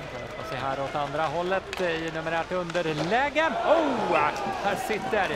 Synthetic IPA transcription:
anɛ̰tasɛɦæːɾɔt̪and̪ɾaɦɔlːət̪ɪnɵməɾæːʈɵnd̪əɾlɛːɡəno | hæːʂɪt̪ːəɾ

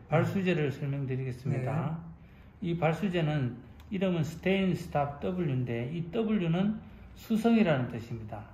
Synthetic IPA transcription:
paɭs͈ud͡ʑe̞ɾɯɭsʰʌɭmjʌŋdɯɾiɡe̞s͈ɯmɲida | ipaɭs͈ud͡ʑe̞nɯn | iɾʌmɯnsʰɯ̥tʰeinsʰɯ̥tʰap̚ʰt͈ʌbuɭjunde̞it͈ʌbuɭjunɯn | sʰusʰʌŋiɾanɯnt͈ɯɕʰimɲida

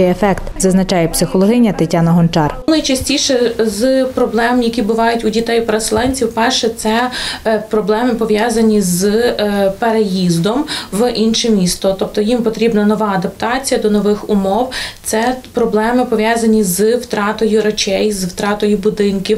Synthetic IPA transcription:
ɪjefɛkt̪zɐznɐt͡ʃɑjɛpsɪxɔlˠɔɦɪnʲːɐt̪ɪtʲɑnɐɦɔnt͡ʃɑrnɐjt͡ʃɐsʲtʲiʃɛzpɾɔblˠɛmmjɐkʲibʊʋɑjʊtʲʊdʲit̪ɛjpɾeselˠɛnʲt͡sʲiwpɛrʃɛt̪sɛpɾɔblˠɛmɪpɔʋʲjɑzɐnʲiz | peɾejizd̪ɔmʋʔinʃɛmʲist̪ɔt̪ɔp̚t̪ɔjimpɔt̪ɾʲibnɐnɔʋɑɐd̪ɐp̚t̪ɑt͡sʲijɐd̪ɔnɔʋɪxʊmɔwt̪sɛpɾɔblˠɛmɪpɔʋʲjɑzɐnʲizwt̪ɾɑt̪ɔjʊɾɐt͡ʃʲɛjzwt̪ɾɑt̪ɔjʊbʊd̪ɪnkʲiw

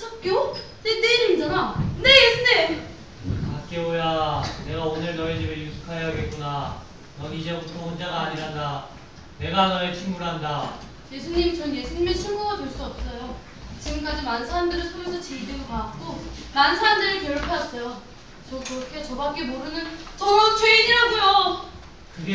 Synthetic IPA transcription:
sʰʌp̚k͈jo | neneimid͡ʑanane̞jesʰuɲim | kat̚k͈e̞ojane̞ɡaonɯɭnʌet͡ɕibejusʰu̥kʰaɦejaɡet̚k͈una | nʌɡiid͡ʑebutʰoɸʌnd͡ʑaɡaːɲiɾɦanda | ne̞ɡanʌet͡ɕʰimmuɭɦanda | je̞sʰuɲimt͡ɕʌnje̞sʰuɲimet͡ɕʰuɭmuɡadwoɭs͈uʌp̚s͈ʌjo | t͡ɕiɡɯmk͈ad͡ʑimansʰaɦandɯɾɯsʰomesʰʌt͡ɕeideɡopaak̚k͈omansʰaamdɯɾiɭkjʌʌɭpʰeas͈ʌjo | t͡ɕʌkɯɾʌkʰet͡ɕʌbak͈e̞moɾɯnɯnt͡ɕʌɾot͡ɕʰweid͡ʑiɾaɡojo | kɯde

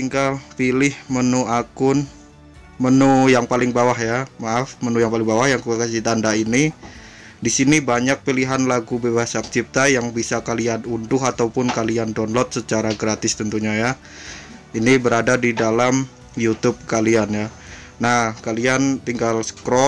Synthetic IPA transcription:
t̪iŋɡalpilɪhmənuakʊn | mənujaŋpalɪŋbawahjamaafmənujaŋpalɪŋbawahjaŋkakasit̪andaini | disinibaɲak̚piliɦanlaɡubebasak̚t͡ʃip̚t̪ajaŋbisakalianundʊhat̪awpʊnkaliandɔnlɔt̪̚sət͡ʃaɾaɡɾat̪ɪst̪ənt̪uɲaja | inibəɾadadidalam | jut̪ʊb̚kalianja | nahkaliant̪iŋɡalskɾɔ

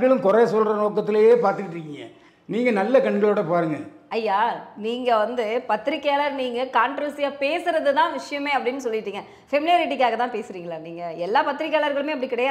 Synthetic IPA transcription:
ɡɐɭɯ̃mkʊɾɐɐsɔlɾɐnoːk̬ːɐt̪̬ːɪlɐjeːpaːɾt̪ɯkɪʈɾɯkːɪŋɡɐ | niːŋɡɐnɐlːɐkɐɳɡɐɭoːɽɐpaːɾɯŋɡɐ | ɐjːaːniːŋɡɐʋɐnd̪ɯpɐt̪ːɪɾɪkːaːlɐɾniːŋɡɐkaːɳʈɾɐʋsɪjaːpeːsɯɾɐðɯt̪ãːʋɪʂɐjɐmeːɐpːɐɽɪnːɯsɔlːɪʈːiːŋɡɐ | fɛmɪlɪjaːɾɪʈ̬ːɪkːaːɣɐt̪ãːpeːsɯɾiːŋɡɐɭaːniːŋɡɐɛlːaːpɐt̪ːɪɾɪkːaːlɐɾɣɐɭɯmeːɐpːɐɽikɪɽɐjaː

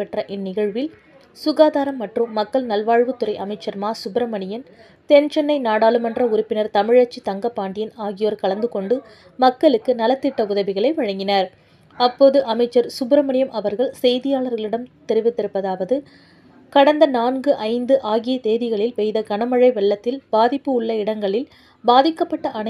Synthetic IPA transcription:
pːɛʈrɐʔɪnːɪɣɐɻʋɪl | sʊɣaːðaːɾɐmːɐʈrɯmːɐkːɐɭnɐlʋaːɻʋɯt̪ːɯɾɐɪʔɐmɐɪt͡ʃːɐɾmaːsʊbɪɾɐmɐɳɪjɐn | t̪ɛnt͡ʃɛnːɐɪnaːɽaːlɯmɛndrɐʊɾɪpːɪnɐɾt̪ɐmɪɻɐt͡ʃːit̪ɐŋɡɐpːaːɳɖɪjɪnaːɣɪjoːɾkɐɭɐnd̪ɯkɔɳɖɯ | mɐkːɐɭɯkːɯnɐlɐt̪ːɪʈːɐʊðɐʋɪɣɐɭɐɪʋɐɻɐŋɡɪnaːɾ | ɐpːoːðɯʔɐmɐɪt͡ʃːɐɾsʊbɾɐmɐɳɪjɐmʔɐʋɐɾɣɐɭsɛjðɪjaːɭɐɾɣɐɭɪɽɐmt̪ɛɾɪʋɪt̪ːɪɾɯpːɐðaːʋɐðɯ | kɐɽɐnd̪ɐnaːnɡɯʔɐɪnd̪ɯʔaːɣɪjɐt̪eːðɪɣɐɭɪlʋɛjðɐɡɐnɐmɐɻɐɪʋɛɭːɐt̪ːɪlb̥aːðɪpːɯʊɭːɐɪɽɐŋɡɐɭɪl | baːðɪkːɐpːɐʈːɐʔɐn

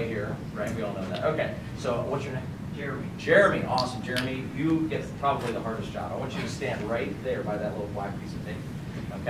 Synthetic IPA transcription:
ɦiɹɹaɪtnwiɔlˠnoʊðæ̰toʊkʰeɪ | soʊwʌt͡ʃə˞n | d͡ʒɛɹɨmi̥d͡ʒ̥ɛɹɨmiʔɔsə̃m̩d͡ʒɛɹɨmijɨɡɛt̚pʰɹ̥ɑbəbliðəɦɑɹɾɨsd̥ʒ̥ɑ̰baɪwɑ̃nt͡ʃɨɾɨstæ̃nd̚ɹaɪt̪̚ðə˞baɪðɨtˡlɪɾl̩ˠfwaɪv̥pʰisʌv̥θɪ̃ŋ | oʊkʰ

